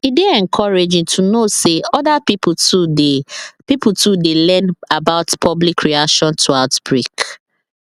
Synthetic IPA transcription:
ideɛ̃ŋkʰɔɹed͡ʒĩŋtʰunoseɔdapiptudepiputʰudelɛ̃nabaʊtpʰɔblikɹiakʃɔ̃ntʰuaʊtb̥ɹik

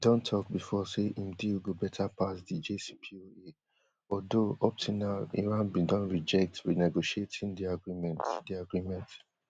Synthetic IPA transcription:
dõntʰɔk̚bifɔseʔĩmdiwɡobɛtʰapʰasdid͡ʒesi̥pʰioe | ɔdoʔɔp̚tʰunaʊḭɹãnbĩdɔ̃nɹid͡ʒɛk̚twinɛɡoʃietʰĩŋdiaɡɹimɛ̃ntdiaɡɹimɛ̃nt

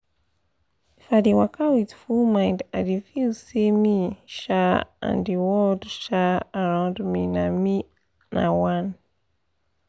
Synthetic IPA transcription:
fadiwakawiðfulmãj̃ndadifilsemiʃaã̰niwɔldʃaaɹãʊ̃ndminami | na̰wãn

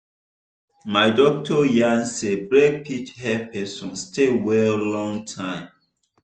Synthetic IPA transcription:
madɔk̚tʰɔjãnsebɹek̚pʰit͡ʃhɛpʰɛsɔ̃nstewɛllɔ̃ŋtʰãɪ̃m

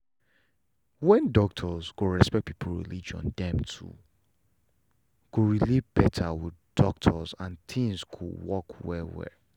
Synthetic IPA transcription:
wɛ̃ndɔk̚tʰɔzɡoɹɛspɛk̚pʰipʰl̩ɹḭlid͡ʒɔ̰̃ndɛ̃mtʰṵ | kuɹilibɛtʰawɪddɔk̚tʰɔzãntʰĩŋzkʰuwɔkʰwɛwɛ̰

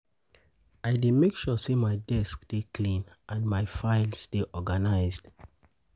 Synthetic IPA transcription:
aɪdemekʃɔsemaɪdɛskd̥ekʰlĩnʔãnmaɪfaɪlsd̥eʔɔɡanaɪzd̥

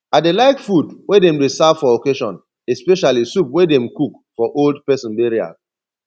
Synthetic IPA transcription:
adelaɪkfudwedɛ̃mdesavfɔokeʃɔ̃n | ɛspɛʃalisupwedɛ̃mkuk | fɔʔoldpɛsɔ̃nbeɹia̰z

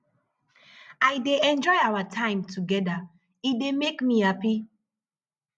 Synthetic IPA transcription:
aɪdeɛ̃nd͡ʒɔɪawatʰãɪ̃mtʰuɡɛda | idemekmihapi

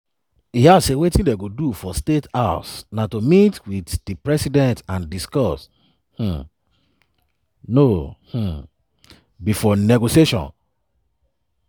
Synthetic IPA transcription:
ihasewetĩndeɡodufɔstetasnatomitwitd̥ipɹɛsidɛ̃ntãndiskɔs | h̩ | noh̩ | bifɔnɛɡosieʃɔ̰̃n

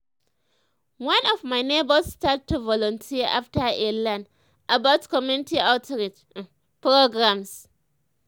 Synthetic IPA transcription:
wãnɔfmajnebəstattːuvɔlɔ̃ntʰiəʔaftəʔelãn | ʔabaʊtkɔmjunɪtiatɹit | pɾoɡɹams

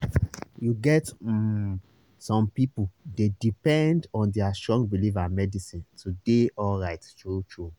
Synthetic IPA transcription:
juɡɛt | sɔ̃mpipudedipɛ̃ndɔ̃ndɛastɹɔ̃ŋɡ̚bilivamɛdisĩntudeʔɔlɹaɪttɹut͡ʃɹu

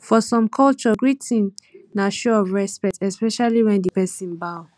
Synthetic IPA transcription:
fɔsɔ̃mkʰɔlt͡ʃɔɡɹitʰĩnnaʃoɔvɹɛspɛtɛspɛʃaliwɛ̃ndipɛsĩnbaʊ

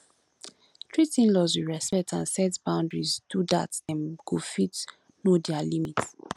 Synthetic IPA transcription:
tʰɹitĩnlɔzwiɹɛspɛk̚tʰãnsɛtbãʊ̃ndɹizdudatsɛ̃nɡ̥ufit | nodialimit

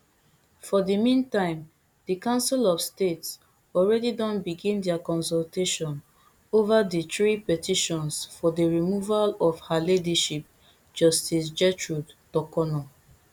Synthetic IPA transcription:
fɔdimĩntãɪ̃m | dəkãʊ̃nsilɔvstets | ɔlɹɛdidɔ̃nbiɡĩndɛakɔ̃nsɔlteʃɔ̃n | ovaditɹipɛtʰiʃɔ̃nsfɔdəɹimuvalɔvhalediʃip̚ | d͡ʒɔstis̬d͡ʒɛtɹudtɔkɔnɔ

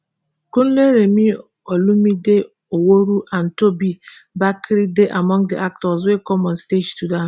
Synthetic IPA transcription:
kun̩leɾemi | ɔlumide | owoɾuʔan̩tobi | bakɾideʔamɔ̃ŋdiʔak̚tɔs̬wekɔmɔ̃nsted͡ʒsudan

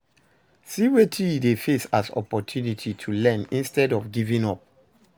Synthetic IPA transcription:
siwetʰiidefesasɔ̰pɔtʰjunitʰitʰulɛ̃nĩnstɛdɔfɡivĩŋɔp̚

